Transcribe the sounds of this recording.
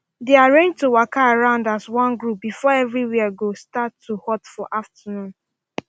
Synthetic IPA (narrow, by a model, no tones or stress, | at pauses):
deaɹẽnd͡ʒtowakaaɹãʊ̃ndaswɔ̃nɡɹup̚bifɔɛvɹiwiaɡostatʰːuhɔtfɔʔaftanũn